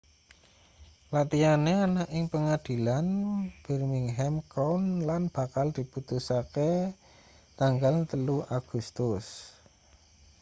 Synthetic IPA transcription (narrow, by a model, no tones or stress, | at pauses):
lat̪ianeanaʔɪŋpəŋad̪̥i̤lanb̥ɛ̤rmɪŋɦɛmkɔnlanb̥a̤kald̪̥i̤put̪usake | t̪aŋɡalt̪əluʔaɡ̥ṳst̪ʊs